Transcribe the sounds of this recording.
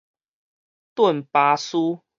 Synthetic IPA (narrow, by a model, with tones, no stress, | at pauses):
t̪wə˥˨npa˧su˦